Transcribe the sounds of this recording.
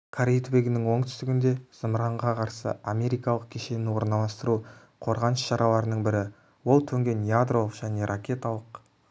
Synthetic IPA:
kʰaɾejt̪beɡʲɪnɪŋwo̞ɴt̪ʰʏ̥st̪ɪɡʲɪnd̪e̞z̥əmɾɑɴʁɑqʰɑɾsə̰amʲe̞ɾijkɑlˠəq̚kʲʰeʃe̞nɪwo̞ɾnɑlˠɑst̪əɾu | qʰo̞ɾʁɑnəsʃɑɾɑlˠɑɾənəɴbɪɾɪ | wo̞lˠt̪ʰɵŋɡʲe̞njad̪ɾo̞lˠəqʒ̥æne̞ɾʔakʲe̞t̪alˠəq

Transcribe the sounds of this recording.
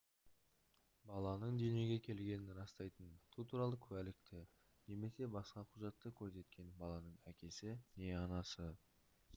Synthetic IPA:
bɑlˠɑnəɴd̪ene̞ɡʲe̞kʲʰe̞lɡʲe̞nɪnɾɑst̪ɑjt̪ənt̪ʰut̪ʰuɾɑlˠəkʲʰɵælɪk̚t̪ɪ | ne̞me̞se̞bɑsqɑqʰʊʒɑt̪ːəkʲʰɵɾse̞t̪̚kʲe̞nbɑlˠɑnəɴækʲe̞sɪne̞ɑnɑsə

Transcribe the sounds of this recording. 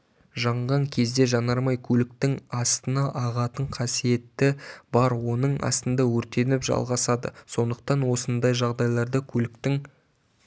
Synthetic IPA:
ʒɑɴʁɑŋkʲʰe̞zd̪e̞ʒɑnɑɾmɑjkʲʰɵlɪk̚t̪ɪŋɑst̪ənɑʔɑʁɑt̪əɴqʰɑsije̞t̪ːɪbɑɾwo̞nəɴɑ̰st̪ənd̪ɑwɵɾt̪e̞nɪpʒɑ̰lˠʁɑsɑd̪ə̰so̞nd̪əq̚t̪ɑnwo̞sənd̪ɑjʒɑʁd̪ɑjlˠɑɾd̪əkʲʰɵlɪkt̪ɪŋ

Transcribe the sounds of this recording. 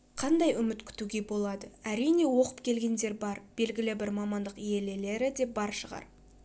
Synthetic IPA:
qʰɑnd̪ɑjʏmɪt̪kʲʰʏ̥t̪uɡʲe̞bo̞lˠɑd̪əæɾijne̞wo̞qəpkʲʰe̞lɡʲe̞nd̪e̞ɾbɑɾb̥e̞lɡʲɪlɪbɪɾmɑmɑnd̪əqije̞le̞le̞ɾɪd̪e̞bɑɾʃəʁɑ̰ɾ

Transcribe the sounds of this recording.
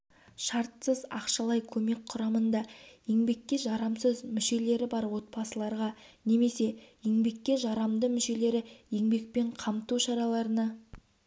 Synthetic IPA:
ʃɑɾt̪səzɑ̰qʃɑlˠɑjkʲʰɵme̞k̚qʰʊɾɑmənd̪ɑje̞ŋbe̞kʲːe̞ʒɑɾɑmsəzmʏʃe̞le̞ɾɪbɑɾwo̞t̪̚pɑsəlˠɑɾʁɑ | ne̞me̞se̞je̞ŋbe̞kʲːe̞ʒɑɾɑmd̪əmʏʃe̞le̞ɾɪje̞ŋbe̞k̚pe̞ɴqʰɑmt̪uʃɑɾɑlˠɑɾənɑ

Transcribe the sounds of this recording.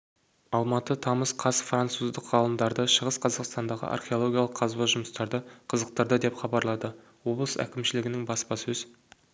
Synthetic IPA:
ɑlˠmɑt̪ət̪ʰɑməsqʰɑsfrant̪suzd̪əqʁɑlˠəmd̪ɑɾd̪əʃəʁəsqʰɑzɑqst̪ɑnd̪ɑʁə̰ʔɑ̰rχʲe̞o̞lˠo̞ɡʲijalˠəqʰːɑzbɑʒʊməst̪ɑɾd̪əqʰəzəq̚t̪ɑɾd̪əd̪e̞pχɑbɑɾlˠɑd̪ə | wo̞blˠəsæ̰kʲɪmʃɪlɪɡʲɪnɪŋbɑspɑsɵz̥

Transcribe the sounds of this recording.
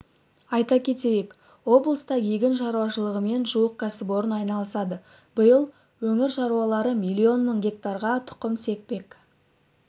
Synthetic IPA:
ɑjt̪ɑkʲʰe̞t̪e̞je̞k | wo̞blˠəst̪ɑjeɡʲɪnʃɑɾuwɑʃəlˠəʁəme̞nʒuwəq̚kʰɑsɪbo̞ɾənɑjnɑlˠəsɑd̪ə | b̥əjəlˠ | wɵŋɪɾʃɑɾuwɑlˠɑɾəmilʲːio̞nməɴɡʲe̞k̚t̪ɑɾʁɑt̪ʰʊ̥qəmse̞k̚pe̞k

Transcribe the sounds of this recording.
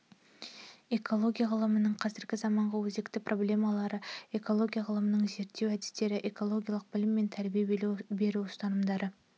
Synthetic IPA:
e̞kʰo̞lˠo̞ɡʲijaʁəlˠəmənəɴqʰɑzɪɾɡʲɪzɑmɑɴʁɑwɵzekt̪ɪprʔo̞blʲe̞mɑlˠɑɾəe̞ko̞lˠo̞ɡʲijaʁəlˠəmənəɴze̞ɾt̪ːe̞wæd̪ɪ̥st̪e̞ɾɪʔeko̞lˠo̞ɡʲijɑlˠəq̚b̥ɪlɪmːe̞nt̪ʰæɾbijebe̞ɾuʊst̪ɑnəmd̪ɑɾə

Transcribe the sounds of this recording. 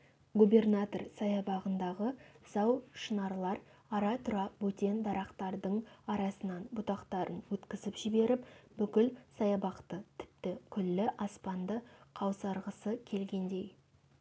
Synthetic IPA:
ɡube̞rnat̪o̞rsɑjɑbɑʁənd̪ɑʁəz̥ɑwʃənɑɾlˠɑɾ | ɑɾɑt̪ʰʊɾɑpwɵt̪e̞nd̪ɑɾɑqt̪ɑɾd̪əɴɑɾɑsənɑnbʊt̪ɑqt̪ɑɾʔənwɵt̪kʲɪzɪpʒɪbe̞ɾɪpbʏkʲɪlsɑjɑbɑqt̪ət̪ʰɪ̥p̚t̪ɪkʲʰʏlːɪʔɑspɑnd̪əqʰɑwsɑɾʁəsəkʲʰe̞lɡʲe̞nd̪e̞j

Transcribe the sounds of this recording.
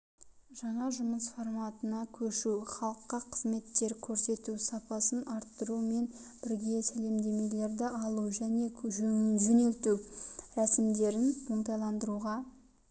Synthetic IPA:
ʒɑɴɑʒʊməsfo̞rmɑt̪ənɑkʲʰɵʃuwχɑlˠəqːɑqʰəzme̞t̪ːe̞ɾkʲʰɵɾse̞t̪usɑpɑsənɑɾt̪ːəɾume̞nb̥ɪɾɡʲe̞sæle̞md̪e̞me̞le̞ɾd̪ɪʔɑlˠuʒæne̞ʒɵŋɪnʒɵne̞lt̪uɾæsɪmd̪e̞ɾɪnmoɴt̪̬ɑjlˠɑnd̪əɾuʁɑ

